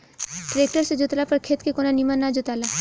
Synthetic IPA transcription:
ʈɾeːk̚ʈəɾsed͡ʒʊt̪lapɐɾkʰeːt̪kekonanimanːad͡ʒʊt̪aːla

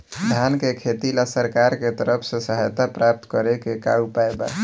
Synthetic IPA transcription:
d̪ʱjankekʰet̪ilasəɾkaɾket̪əɾəpʰsẽsəɦəjt̪apɾap̚t̪kəɾekeka̰ɾupaeba̰

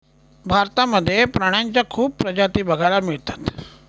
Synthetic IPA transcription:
bʱaɾt̪aməd̪ʱːjepɾaɽ̃jaɲt͡ɕjakʰuːppɾəd͡ʑat̪iːbəɡʱalamiɭt̪ḁt̪

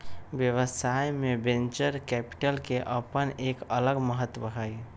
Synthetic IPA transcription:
ʋjəʋəsajmẽbẽnt͡ʃəɾkɛːpɪ̥ʈəlkeʔəpəneːkələɡməɦət̪ːwəɦəi

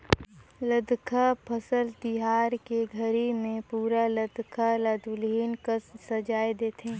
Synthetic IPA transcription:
ləd̪ʱkʰapʰəsəlt̪ɪɦaːɾkeɡʱəɾimẽpuːɾaləd̪ʱkʰalaːd̪ʱulɦiːnkəssɐd͡ʒaːed̪eːt̪ʰẽː

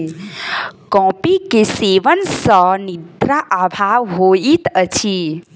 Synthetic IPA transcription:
kɔ̃pikeseʋənsənid̪ɾaʔabʱaʋɦoit̪ət͡ʃʰi

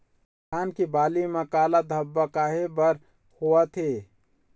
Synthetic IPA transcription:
kʰaːnkibaːlimekaːlad̪ʱəbːəkaɦebəɾ | hoət̪ʰe

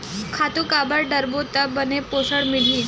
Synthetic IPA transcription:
kʰat̪ukabəɾɖəɾbot̪əbəneposəɽmil̤ĩ

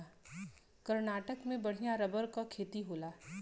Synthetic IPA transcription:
kɐɾnaːʈəkmẽbɐɽ̤ijaɾɐbəɾkakʰeːt̪iɦoːlaː

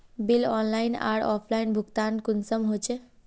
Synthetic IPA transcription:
bilɔnlajna̰ɽɔpʰlajnbʱuɡt̪ankunsəmɦot͡ʃʰe

